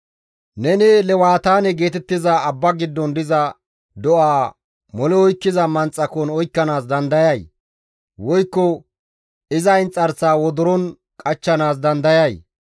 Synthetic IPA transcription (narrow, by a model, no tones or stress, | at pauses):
nɛnɛlɛwaːt̪aːnɛɡeːt̪ɛt̪ːɪzɐːbːɐɡɪd̪ːɔnd̪ɪzɐ | d̪ɔʔaː | mɔlɛɔjkːɪzɐmɐnt͡sʼːɐkɔnɔjkːɐnaːsd̪ɐnd̪ɐjɐj | wɔjkːɔ | ɪzɐjnt͡sʼɐɾsaːwɔd̪ɔɾɔn | kʼɐt͡ʃːɐnaːs̬d̪ɐnd̪ɐjɐj